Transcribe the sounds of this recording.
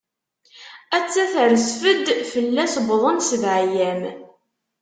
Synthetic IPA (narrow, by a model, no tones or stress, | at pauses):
æt͡sːæθəɾəsfəd̪fəlːæsbðˤənsəvʕjæm